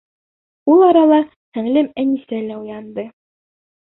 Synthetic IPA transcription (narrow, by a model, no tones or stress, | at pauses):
ulˠɑɾɑlˠɑ | hæ̆ŋlɘmænisælæujɑnd̪ɤ